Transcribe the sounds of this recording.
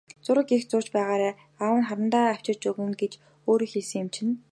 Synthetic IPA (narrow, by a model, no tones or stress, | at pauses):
t͡sʊɾə̆kext͡sʊːr̥t͡ɕpæːʁaːɾæː | awə̆ːnχaɾə̆nt̪aːaw̥t͡ɕɪ̆t͡ɕɵɣɘ̆ŋɡet͡ɕ | oːɾiːŋxeɮsɘ̆ŋjɪ̆mt͡ɕʰɪ̆n